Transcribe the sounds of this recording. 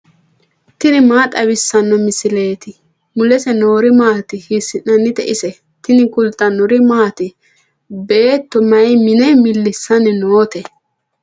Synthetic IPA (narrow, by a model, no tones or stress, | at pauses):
t̪ɪnɪmaːt̪ʼɐβɪsːɐnːɔmɪsɪleːt̪ɪ | mʊlɛsɛno̞ːɾɪmaːt̪ɪhisɪnɐnːɪt̪ɛʔɪsɛ | t̪ɪnɪkʊlt̪ʼːɐnʊɾɪmaːt̪ɪ | beːt̪ːɔmɐjmɪnɛmɪlːɪsːɐnɪnoːt̪ɛ